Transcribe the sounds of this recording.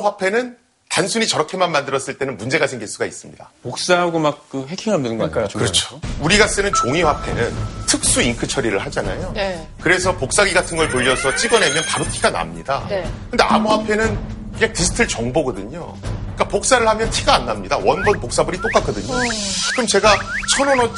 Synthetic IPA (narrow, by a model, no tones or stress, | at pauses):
ɸwapʰe̞nɯn | tansʰuɲit͡ɕʌɾʌkʰe̞manmandɯɾʌs͈ɯɭt͈e̞nɯnmund͡ʑe̞ɡasʰe̞ŋɡiɭs͈uɡais͈ɯmɲida̰pok̚s͈aɡomak̚k͈ɯɦekʰiŋɦamdenŋɡʌkɯɾʌt͡ɕʰo̥uɾiɡas͈ɯnɯnt͡ɕoŋiɸwapʰe̞̰nɯntʰɯk̚s͈uiŋkʰɯt͡ɕʰʌɾiɾɯɭɦad͡ʑana̰jo | kɯɾe̞sʰʌpok̚s͈aɡiɡatʰɯnɡʌɭpoʎːʌsʰʌt͡ɕ͈iɡʌnɦe̞mjʌnpaɾotʰiɡana̰mɲida̰kɯnde̞ʔa̰muɦapʰe̞nɯnkɯɲak̚tisʰɯ̥tʰɯɭt͡ɕʌŋboɡʌdɯɲo̰ | ik͈apok̚s͈aɾɯɭhamjʌntʰiɡaːnːamɲidawʌnbʌnpok̚s͈abɯɾit͈ok͈ak͈ʌdɯɲokɯɾʌmt͡ɕe̞ɡat͡ɕʰʌnonʌ